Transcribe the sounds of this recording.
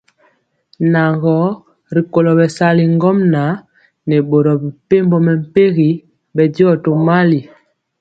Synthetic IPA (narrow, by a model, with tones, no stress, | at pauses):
na˨ŋɡɔ˨˦ | ɾi˨ko˨lɔ˨bɛ˨sa˦li˨ŋɡɔ˦mna˨˦ | nɛ˨ɓo˨ɾɔ˨bi˨pe˦m˦bɔ˦mɛ˨m̩˨pe˦ɣi˨˦ | bɛ˨di˦ɔ˦to˨ma˦li˨